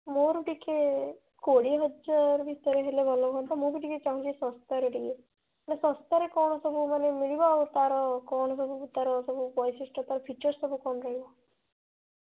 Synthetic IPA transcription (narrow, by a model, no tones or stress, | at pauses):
moɾuʈike | koɽiɦɔd͡ʒaɾbʱit̪əɾeɦelebʱɔlɔbɦɔ̃nt̪amũbiʈiket͡ʃaɦũt͡ʃisɔ̃st̪aɾeɖike | anesɔ̃st̪aɾekɔwɳɔsɔbumanemiɭibaut̪aɾɔkɔɳɔs̬ɔbuut̪aɾɔsɔbubɔjsisʈɔt̪aɾɔpʰit͡ʃɔɾsɔbukɔnɾɔɦiba